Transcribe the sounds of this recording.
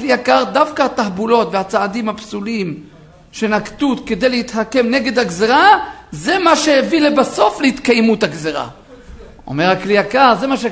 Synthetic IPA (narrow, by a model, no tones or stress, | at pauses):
liakaʁd̪afkahat̪ahbulo̞t̪veat͡saad̪imhapsulim | ʃe̞nakt̪ut̪ke̞d̪e̞jleit̪hake̞mne̞ɡe̞d̪haɡzeʁaze̞maʃe̞hevilebaso̞fleit̪kajmut̪haɡzeʁa̰ | o̞̰me̞ʁhakliakaʁzemaʃe